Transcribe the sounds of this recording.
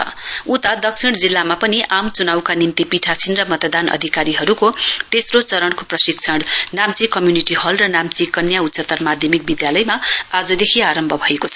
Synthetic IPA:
ut̪ad̪ʌksʰiɽ̃d͡zilːamapʌniʔamt͡sunawkanimt̪ipiʈʰasinrʌmʌt̪ʌd̪anʔʌ̰d̪ʱikaɾiɦʌɾukot̪esrot͡sʌɾʌɽkoprʌsik̚t͡sʰʌɽnamt͡sikʌmjuniʈihʌlrʌnamt͡sikʌnjaut̪ːsʌt̪ʌrmad̪ʱjʌmik̚bid̪jalʌjmaad͡zʌd̪ekʰiaɾʌmbʱʌbʱʌekot͡sʰʌ

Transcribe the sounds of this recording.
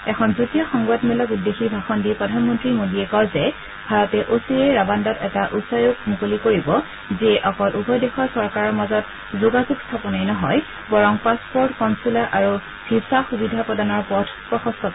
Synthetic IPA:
ɛkʰɔnzutijɔxɔŋɡwatmɛlɔkudːexibʱaxɔndipɹɔdʱanmɔntɹimodiɛkɔɹzɛ | bʱaɹɔtɛʔosiɛɹabandɔtɛtaʔusajok̚mukolikoɹibɔ | zeʔɔkɔlʔubʱɔjdexɔsɔɹkaɹɔɹmazɔt | zuɡazuɡstʰapɔnajnɔɦɔj | bɔɹɔŋpaspɔɹtkɔnsulaʔaɹu | b̥ʱisaxubidʱapɔdanɔɹpɔdʰpɹɔxɔstɔk

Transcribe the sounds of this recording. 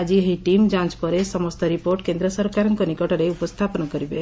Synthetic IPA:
ad͡ʒiɦeʈimd͡ʒãnt͡ʃpɔɾesɔmɔst̪ɔɾipoɾʈkend̪ɾɔsɔɾkaɾɔŋkɔnikɔʈɔɾeupɔst̪ʰapɔnɔkɔɾibe

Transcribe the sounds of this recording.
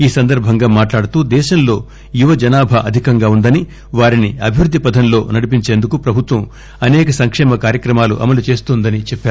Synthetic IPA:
iːsɐnd̪ɐɾbʱɐŋɡaːmaːʈlaːɽut̪uːd̪ɛːʃɐnlo̞ː | juʋɐd͡ʒɐnaːbʱɐʔɐd̪ʱikɐŋɡaːund̪ɐni | ʋaːɾiniɐbʱiʋɾud̪ʱːipɐd̪ʱɐnlo̞ːnɐɽip̬iɲt͡ʃeːnd̪ukupɾɐbʱut̪ʋɐm | ɐnɛːkɐsɐŋkʂɛːmɐkaːɾjɐkɾɐmaːlṵʔɐ̰mɐlut͡ʃe̞ːst̪uːnd̪ɐnit͡ʃɛpːaːɾ

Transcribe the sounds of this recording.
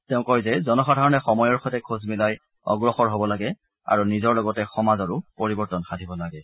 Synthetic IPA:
tɛʊ̃kɔjzɛzɔnɔxadʱaɹɔnɛxɔmɔjɔɹxʰɔtɛkʰuzmilaj | ɔ̰ɡɹɔxɔɹɦobɔlaɡɛ | a̰ɹunizɔɹlɔɡɔtɛxɔmazɔɹʊpoɹibɔɹtɔnxadʱibɔlaɡɛ

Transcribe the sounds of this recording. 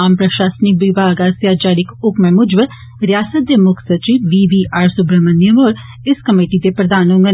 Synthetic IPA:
aːmpɾəʃaːsnɪkʋɪbʱaːɡaːsjaːd͡ʒaːɽɪkʰʊkmɛ̃ːmʊd͡ʒʋə | ɾɪjaːsət̪̚d̪eːmʊkʰsət͡ʃiːʋiːʋiːʔaːɾsʊbɾəmənɪjəmoːɾ | ɪskəmeːʈid̪eːpɾəd̪aːnɦʊ̃ŋɡə

